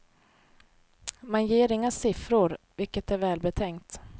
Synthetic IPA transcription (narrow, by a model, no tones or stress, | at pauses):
manjeːɾɪŋːasɪfɾʊɾ | vɪlkət̪æɾvɛːlbɛt̪ʰɛŋkt̪